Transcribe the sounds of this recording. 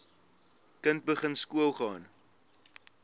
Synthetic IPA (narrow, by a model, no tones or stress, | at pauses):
kənt̚bəχənskuəlˠχɑːn